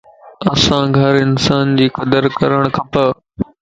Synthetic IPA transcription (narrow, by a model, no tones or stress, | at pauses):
ɐsãɡʱɐɾɪnsaːnd͡ʑiːkɐd̪əɾkɐɾəɽ̃kʰɐpɐ